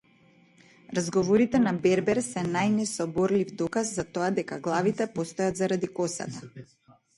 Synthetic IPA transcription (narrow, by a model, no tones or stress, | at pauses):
ɾazɡɔvɔɾit̪ɛnabɛɾbɛɾsɛnajnɛsɔbɔɾlivd̪ɔkazzat̪ɔad̪ɛkaɡlˠavit̪ɛpɔst̪ɔjad̪zaɾad̪ikɔsa̰t̪a